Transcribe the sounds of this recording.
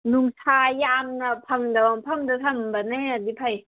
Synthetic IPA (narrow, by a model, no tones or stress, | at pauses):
nuŋsʰaːjaːmnapʰaŋdawaŋpʰamdatʰambanɛadipʰaj